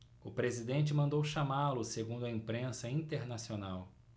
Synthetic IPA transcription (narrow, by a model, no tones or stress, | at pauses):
ʊpɾezid̪ẽnt͡ʃɪmɐ̃nd̪owʃamalʊseɡũnd̪ʊɐĩpɾẽsɐĩt̪eɾnasionaw